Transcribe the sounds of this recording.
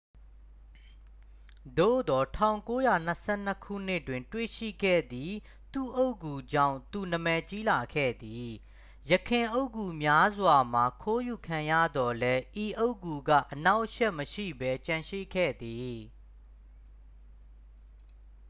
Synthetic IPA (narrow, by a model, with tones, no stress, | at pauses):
d̪o̰˦˨d̪ɔ˨tʰã̰˦˨ʊ̃ŋko˦ja˨n̥əsʰɛ̰˦˨n̥ə˦kʰṵ˦˨n̥ɪ˦ʔtwɪ̃˨ntwe˦˨ʃḭ˦˨ɡɛ̰˦˨d̪i˨ | t̪u˦˨ʔo˦ʊʔkːu˨d͡ʑã̰˦˨ʊ̃nt̪u˨nə˨mɛ˨t͡ɕi˦la˨kʰɛ̰˦˨d̪i˨ | jəkʰɪ̃˨ʔo˦ʊkːu˨mja˦zwa˨m̥a˨kʰo˦ju˨kʰã˨jä̰˦˨d̪ɔ˨lɛ˦ʔi˨ʔo˦ʊkːu˨ɡä̰˦˨ʔəna˦ʊʔʃɛ˦ʔməʃḭ˦˨bɛ˦t͡ɕã˨ʃḭ˦˨kʰɛ̰˦˨d̪i˨